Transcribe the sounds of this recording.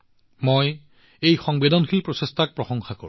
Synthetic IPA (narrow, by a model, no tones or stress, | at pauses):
moj | ejxɔŋbedɔnxʰilpɹɔsestʰak̚pɹɔxɔŋxakɔ̰ɹu